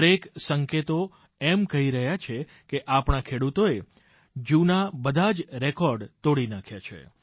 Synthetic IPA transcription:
ɾeksəŋket̪o | ɛmkəɦiɾəɦjat͡ʃʰe | keʔapɳakʰeɽut̪oe | d͡ʒunabəd̪ʱad͡ʒɾekɔɾɖt̪oɽinakʰjat͡ʃʰḛ

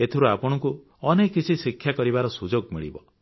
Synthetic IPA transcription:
et̪ʰiɾuapɔɽ̃ɔku | ɔnekːit͡ʃʰisikʰjakɔɾibaɾɔsud͡ʒoɡmiɭḭbɔ

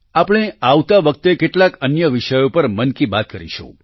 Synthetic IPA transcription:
apɽ̃eaʋt̪aʋək̚t̪ekeʈlakənjəʋɪʃəjopəɾmənkibat̪̚kəɾḭʃṵ̃

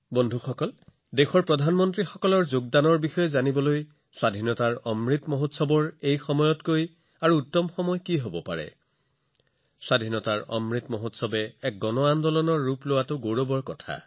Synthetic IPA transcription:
bɔndʱuxɔkɔl | dexɔɹpɹɔdʱanmɔntɹixɔkɔlɔɹzoɡ̚danɔɹbixɔjɛzanibɔloj | swadʱinɔtaɹɔmɹitmɔɦotsɔbɔɹejxɔmɔjɔtkoj | aɹuːtːɔmxɔmɔjkiɦobɔpa̰ɹɛ̰ | swadʱinɔtaɹɔ̰mɹitmɔɦotsɔbɛɛk̚ɡɔnɔandɔlɔnɔɹːuplowatʊɡoɹobɔɹkɔtʰa̰

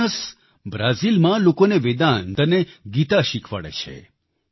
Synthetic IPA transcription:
əs | bɾazilmãlokoneʋed̪and̪əneɡit̪aʃikʰʋa̰ɭḛt͡ʃʰḛ

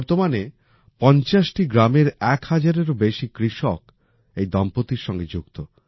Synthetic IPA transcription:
ɾt̪omane | pɔnt͡ɕaʃʈiɡɾameɾɛkhad͡ʑaɾeɾobeʃikɾiʃɔk | ejd̪ɔmpot̪iɾʃɔŋɡed͡ʑukt̪o

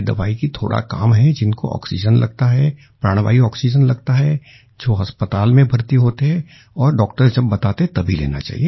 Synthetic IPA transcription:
d̪ɐʋaːikit̪ʰo̰ːɽa̰ka̰ːmɦɛd͡ʒɪnko̰ʔɔ̰ːksid͡ʒənlɐ̰ɡ̚t̪aɦɛ | pɾaːɽ̃ʋa̰ːiɔːksid͡ʒənlɐɡt̪aɦɛ | d͡ʒoːɦɐspət̪aːlmẽbʱɐɾt̪iɦoːt̪eɦɛ̃ | ɔːɾɖɔːkʈəɾd͡ʒɐbːɐt̪aːt̪eɦɛt̪ɐbʱilḛːna̰t͡ʃa̰ːɦḭeː

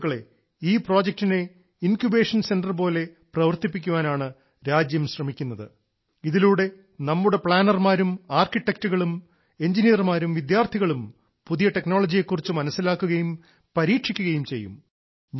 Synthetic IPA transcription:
kːɐɭe̞̰ | iːpro̞ːd͡ʑek̚tine̞ | inkjubeːʂɐnse̞nɖɐrp̬o̞ːle̞prɐʋɐrt̪ipːikʲːuʋaːnaːɳɨ | ɾaːd͡ʑjɐmɕrɐmikʲːunːɐðɨ̰ | iðiluːɽe̞ | nɐmːuɽe̞pɭaːnɐrmaːɾumaːrkiʈːek̚tuɣɐɭum | e̞ɲd͡ʑinijɐrmaːɾumʋid̪jaːrt̪ʰiɣɐɭum | puðijɐʈe̞kno̞ːɭɐd͡ʑije̞kːurit͡ɕːɨmɐnɐsːilaːkːuɣɐjum | pɐɾiːʈʂikʲːuɣɐjumt͡ɕe̞jːṵm

